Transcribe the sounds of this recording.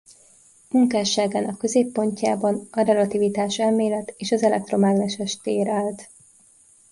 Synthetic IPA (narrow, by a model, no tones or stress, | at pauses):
muŋkaːʃaːɡaːnɒkːø̞zeːpːo̞ɲcaːbɒnɒɾɛlɒt̪ivit̪aːʃɛlmeːlɛt̪eːʃɒzɛlɛk̚t̪ro̞maːɡlɛʃɛʃt̪eːɾaːlt̪